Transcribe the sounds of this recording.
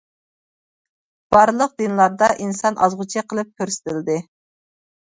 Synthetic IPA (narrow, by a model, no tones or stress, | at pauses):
b̥ɑɾlˠəq̚d̪ɨnlˠɑɾd̪ɑʔinsɑnʔɑzʁʊt͡ʃʰiqʰəlˠɨp̚kʲʰøɾsɪ̥t̪ʰɪld̪ɪ